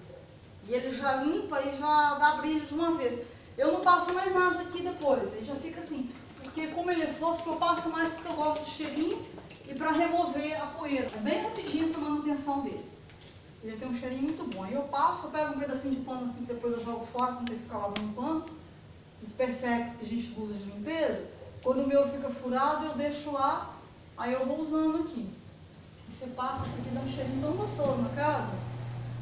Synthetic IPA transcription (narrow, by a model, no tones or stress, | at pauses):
ɪelɪʒalĩpɐiʒad̪abɾilɐd͡ʒɪũmɐves | ewnɐ̃w̃pasʊmajznad̪ɐd̪akid̪epojselɪʒafikɐasĩ | poɾkekõmʊelɛfosɪ̥kewpasʊmajspʊɾkeewɡɔst̪ʊd͡ʒ̪ɪʃeɾĩɲʊ | ɪpɾɐɦemoveɐpoed̪ɐt̪ɐ̃bẽj̃epid͡ʒĩɛsɐmɐ̃nut̪ẽsɐ̃w̃d̪elɪ | elet̪ẽj̃ũʃeɾĩɲɐmũj̃t̪ʊbõɐɪewpasʊpɛɡʊũved̪ɐsĩd͡ʒɪpɐ̃t̪ʊasĩkɪd̪epojzewʒɔɡʊfɔɾɐkõk̪elɪfi̥kaabõnʊpɐ̃t̪ʊ | sɪspeɾfɛkt̪ʊ̥skɪɐʒẽnt͡ʃɪbuzɐd͡ʒɪlĩmpezɐkwɐ̃nd̪ʊmewfikɐfuɾad̪ʊewd̪eʃʊla | aiewvowuzɐ̃nd̪ʊaki | vosepasɐsiɡĩd̪ɐũʃeɾĩʊt̪ɐ̃w̃ɡost̪ozʊnɐkazɐ